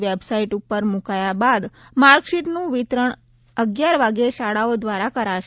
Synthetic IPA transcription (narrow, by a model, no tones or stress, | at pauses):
ʋebsaiʈupːəɾmukajabad̪maɾkʃiʈnũʋit̪ɾəɳ | əɡjaɾʋaɡeʃaɽaod̪ʋaɾakəɾaʃ